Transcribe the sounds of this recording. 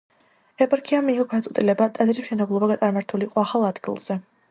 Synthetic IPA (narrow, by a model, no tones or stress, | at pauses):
ɛpʼaɾkʰiamiːɔɡad̪at̪ʼɛt̪ʼilɛbat̪ʼɛd̪ɾismʃɛnɛblˠɔbaɡat̪ʼaɾmaɾt̪ʰuliqʼɔaχalˠad̪ɡḭlˠz̥ɛ